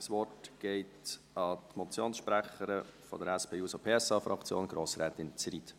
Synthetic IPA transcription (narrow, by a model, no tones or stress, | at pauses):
sʋɔrtɡ̥ɛɪt | ɑtmɔt͡sjoːnsʃpɾæχəɾəfɔ̰dəɾɛspʰeːjuːsopʰeːɛsɑːfɾɑ̰kt͡sjo̰ːnɡ̥ɾoːsɾɛːtɪnt͡siɾit